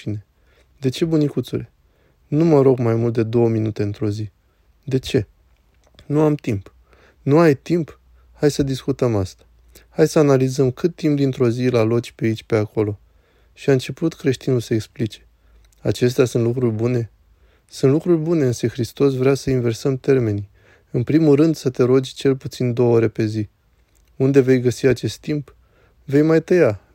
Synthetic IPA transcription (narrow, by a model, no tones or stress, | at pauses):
ine̞ | d̪e̞t͡ʃe̞bunikut̪sule̞ | numəɾo̞ɡmajmult̪̚d̪e̞d̪o̞wəminut̪e̞ɨnt̪ɾo̞zi | d̪e̞t͡ʃe̞ | nuamt̪imp | nuajt̪imp | hajsəd̪iskut̪əmast̪ḁ | hajsəanalizəmkɨt̪ːimpd̪int̪ɾo̞zilalo̞t͡ʃʲpeait͡ʃʲpe̞ako̞lo̞ | ʃiaɨnt͡ʃe̞put̪kɾe̞ʃt̪inulsəeksplit͡ʃe̞̥ | a̰t͡ʃe̞s̬t̪easunt̪lukɾurʲbune̞ | sunt̪lukɾurʲbune̞ɨnsəxɾist̪o̞s̬vɾeasəinve̞rsəmt̪e̞rme̞ni | ɨnpɾimulrɨnd̪sət̪e̞ɾo̞d͡ʒʲt͡ʃe̞lput̪sind̪o̞wəoɾe̞pe̞zi | und̪e̞ve̞jɡəsiat͡ʃe̞st̪ːimp | ve̞jmajt̪əja